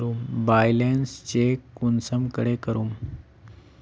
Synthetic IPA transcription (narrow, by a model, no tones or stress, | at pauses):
ɾuːmbajlenst͡ɕekunsəmkəɽekəɾuːm